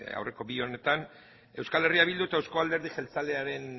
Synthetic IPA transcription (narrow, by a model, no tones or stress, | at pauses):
a̰wre̞ko̞bio̞ne̞t̪an | e̞wskale̞riaβild̪uet̪aewsko̞ald̪e̞ɾð̞iʝelt͡sale̞aɾe̞n